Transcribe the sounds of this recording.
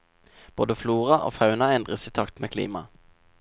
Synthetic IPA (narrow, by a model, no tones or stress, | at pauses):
b̥oːd̪əfluːʁɑʔo̰ːfɑʉnɑɛnd̪ʁəsiːt̪ʰɑkt̪mʔeːkʰlḭːmɑ̰